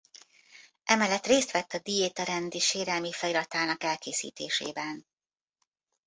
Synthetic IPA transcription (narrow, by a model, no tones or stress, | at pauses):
ʔɛmɛlːɛt̪reːst̪ʋɛt̪ːɒd̪ijeːt̪ɒɾɛnd̪iʃeːɾɛlmifɛjiɾɒt̪aːnɒkɛlkeːsḭːt̪eːʃḛːbɛn